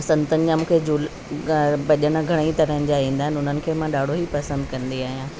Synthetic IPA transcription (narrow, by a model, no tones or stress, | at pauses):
ɐsɐ̃nt̪ənɪ̆d͡ʑãmũːkʰed͡ʑuːl | bɐʄənɡʱɐɽ̃əit̪ɐɾəɦə̃nɪ̆d͡ʑaĩːnd̪aːɦɪnʊn̤ənɪ̆kʰeːmãɗaːɽ̤ʱoɦipɐsə̃nd̪kɐ̃nd̪iaːɦijãː